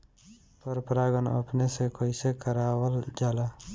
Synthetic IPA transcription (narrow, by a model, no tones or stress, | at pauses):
pəɾpɾaːɡənə̰pnesekoːisekəɾaːwəld͡ʒaːlaː